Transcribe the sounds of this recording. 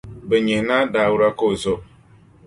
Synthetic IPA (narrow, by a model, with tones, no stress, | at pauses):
bə˨ɲe˨na˦da˨wu˦ɾa˦ko˦˨zo˦